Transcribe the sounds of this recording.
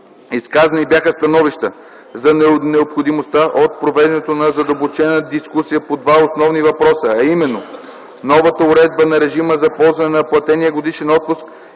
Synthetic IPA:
iskazɐnibjaxəst̪ɐnɔviʃt̪ə | zɐnɛnɛopxod̪imost̪aʔot̪̚pɾovɛd̪ɛnɛt̪onɐzɐd̪ɐbot͡ʃɛnəd̪iskusijəpod̪vaosnɔvnivɐpɾɔsəːimɛnːo | nɔvət̪əʊɾɛd̪̚bənɐɾɛʒiməzɐpɔlˠzvɐnɛnɐplˠɐt̪ɛnijəɡod̪iʃɛnɔt̪̚pʊsk

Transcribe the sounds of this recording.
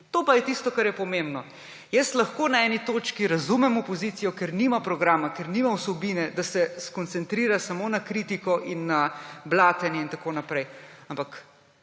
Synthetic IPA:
t̪oːpajɛt̪ist̪ɔkaɾjɛpɔmembnɔ | jɛst̪lɐxkoːnaɛːnit̪oːt͡ʃkiɾazumɛmɔpɔziːt̪sijɔkeɾnimapɾɔɡɾaːmakeɾnimawsɛbiːnɛd̪asɛskɔnt̪sɛnt̪ɾiːɾasamonakɾit̪ikɔʔinːablaːt̪ɛnjɛint̪akoːnapɾɛjampak

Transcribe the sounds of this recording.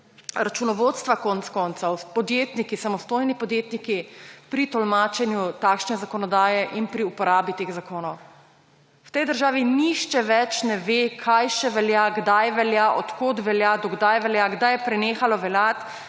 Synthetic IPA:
ɾat͡ʃunɔʋot̪st̪ʋakɔnt̪skɔnt̪sawpɔd̪jeːt̪nikisamɔst̪oːjnipɔd̪jeːt̪nikipɾit̪ɔlmaːt͡ʃɛnjut̪aːkʃnɛzakɔnɔd̪aːjɛʔinpɾiupɔɾaːbit̪eːɣzakoːnɔw | wt̪ɛjd̪əɾʒaːʋiniʃt͡ʃɛʋɛt͡ʃnɛʋekʰajʃɛʋɛljaɡd̪ajʋɛljaʔɔt̪kot̪ʋɛljad̪ɔɡd̪ajʋɛljaɡd̪ajɛpɾɛneːxalɔʋɛlat̪

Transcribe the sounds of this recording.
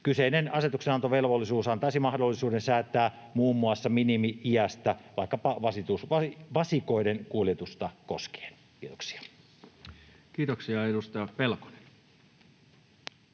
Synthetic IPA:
kyseinenɑset̪uksenɑnt̪oʋelʋolːisuːsɑnt̪ɑˑisimɑhdolːisuːdensæːt̪ːˑæː | muːmːuɑsːɑminimiiæst̪æʋɑˑikːɑpɑʋɑsit̪usʋɑiʋɑsiko̞idenkuoljet̪ust̪ɑko̰ske̥ːn | kiːt̪o̥ksi̥ɑ̥ | kiːt̪oksiɑedust̪ɑjɑpelko̥ne̥n

